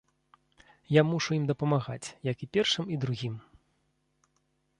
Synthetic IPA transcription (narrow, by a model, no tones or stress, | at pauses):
jamuʂuimd̪ɐpɐmaɣa̰t͡sʲjɐkipʲɛrʂɨmid̪ɾuɣʲim